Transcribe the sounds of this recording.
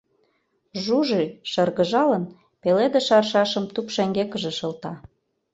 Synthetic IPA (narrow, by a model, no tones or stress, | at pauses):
ʒuʒiʃɤrɣə̆ʒɑlən | peled̪eʃɑrʃɑʃə̆mt̪upʃæŋɡekə̆ʒĕʃɤ̆lt̪ɑ